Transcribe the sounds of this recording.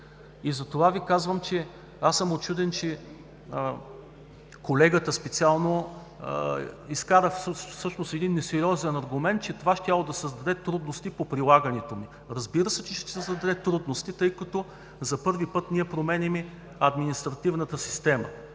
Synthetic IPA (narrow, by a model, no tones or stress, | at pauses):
izɐt̪ovavikazvəmt͡ʃɛ | asəmot͡ʃud̪ɛnt͡ʃɛ | kolɛɡət̪əspɛt̪sʲialˠno | iskaɾəfssɤʃnost̪ɛd̪inːɛsɛɾiɔzɛnɐɾɡʊmɛnt̪̚t͡ʃɛt̪ovaʃt̪ʲjalˠod̪ɐsəzd̪ɐd̪ɛt̪ɾud̪nost̪ipopɾilˠaɡənɛt̪omi | ɾɐzbiɾəsɛt͡ʃɛʃt̪ɛsɛsɐd̪ɐd̪ɛt̪ɾud̪nost̪it̪ɤjkɐt̪o | zɐpɤɾvipɤt̪niɛpɾomɛnimɛ | ɐd̪minist̪ɾɐt̪ivnət̪əsi̥st̪ɛmə